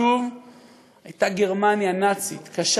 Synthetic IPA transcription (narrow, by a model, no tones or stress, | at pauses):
uv | ajtaɡeʁmanjanat͡sit̪kaʃ